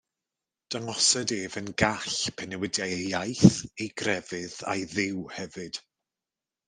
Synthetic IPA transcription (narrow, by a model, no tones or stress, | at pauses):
d̥aŋɔsɛdeːvənɡaɬpʰɛnɛwɪdjajajθejɡrɛvɨða̰jðɪwhɛvɨd̥